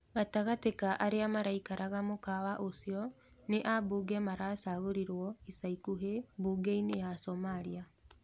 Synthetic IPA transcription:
ɣataɣatekaʔaɾeamaɾaikaɾʔaɣamokawaʔosiɔ | neʔabuːɡɛmaɾaːsaɣoɾiɾwɔisaikuɦebuːɡeineasɔmaɾia

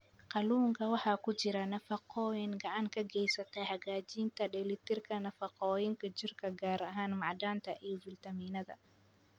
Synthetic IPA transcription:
qɑluːŋkʰɐwɑħɑːkʰʊt͡ʃɪɾɐnɐfɑqʰɔːjɪŋɡɑʕɑŋkʰɐɡɛjsɐt̪ʰɐhɐɣaːt͡ʃiːnt̪ʰɐɖɛlɪt̪ʰɪrkʰɐnɐfɑqɔːjɪŋkʰɐt͡ʃɪrkʰɐɡaːɾɐɦaːnmɑʕd̪aːnt̪ʰɐʔiːbɪlt̪ʰɐmiːnɐðɐ̰

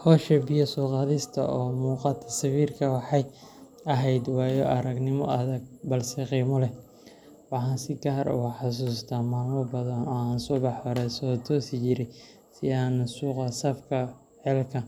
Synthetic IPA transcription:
hɔːʃɛbɪjɔsuːqɑðɪst̪ʰɐ̰ɔːmuːqɑt̪ʰːɐsɐβiːrkʰɐwɑħɑj | ɐɦɛjd̪wɑːjɔʔɐɾɐɡnɪmɔʔɐðɐɡ̚bɐlsɛqiːmɔlɛ | wɑħɑːnsɪɡaːɾʊ̰ħɑs̬uːst̪ʰaːmaːlmɔbɐðɐnɔːaːnsɔbɑħɐɾɛːsɔːt̪ʰɔːsɪt͡ʃɪɾɪj | sɪaːnsuːqɐsɐfkʰɐ | ħɛlkʰɐ

